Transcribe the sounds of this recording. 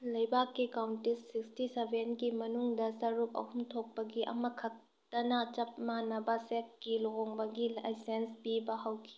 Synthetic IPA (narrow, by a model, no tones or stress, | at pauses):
lɐjbʱakːikawntisikstisebʱenɡimɐnuŋdɐsɐɾup̚ɐ̰humtʰok̚pɐɡiʔɐ̰mɐkʰɐk̚ | tɐnɐt͡ʃɐp̚manɐbɐsek̚ːiloɡoŋbɐɡilajsenspibɐɦɐwkʰi̥